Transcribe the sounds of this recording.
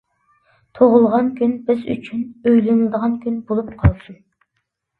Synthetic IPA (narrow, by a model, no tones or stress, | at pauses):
t̪ʰoʁʊlˠʁɑnkʲʰynbɪzy̰t͡ʃʰynøjlɪnɪd̪əʁɑnkʲynɪbolˠup̚qʰɑlˠsun